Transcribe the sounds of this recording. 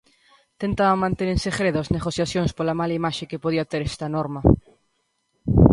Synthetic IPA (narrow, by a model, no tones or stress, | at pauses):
t̪ent̪aβamːãnt̪eneɾsexɾeðoazneɣoθjaθjoŋspolamalaimaʃekepoðiat̪eɾest̪anoɾma